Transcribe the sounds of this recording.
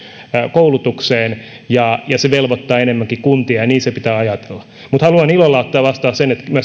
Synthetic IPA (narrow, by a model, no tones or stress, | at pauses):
koulut̪ukseːn | jɑjɑseʋelʋot̪ːɑːenemːæŋkikunt̪iɑjɑniːnsepit̪æːɑjɑt̪e̥lːɑ̥ | mut̪hɑluɑnilolːɑut̪ːɑːʋɑst̪ɑːssenet̪mæ